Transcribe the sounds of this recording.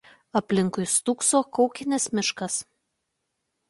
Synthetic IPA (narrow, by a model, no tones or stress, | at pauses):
ɐpʲlʲɪŋkʊɪst̪uksoːkɒʊkʲɪnʲesmʲɪʃkɐs